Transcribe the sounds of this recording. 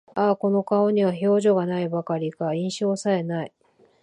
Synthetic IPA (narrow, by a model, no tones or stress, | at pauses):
ako̞no̞kao̞ɲ̟iβaço̞ːʑo̞ɡanaibakaɾʲikaĩɰ̃ɕo̞ːsae̞nai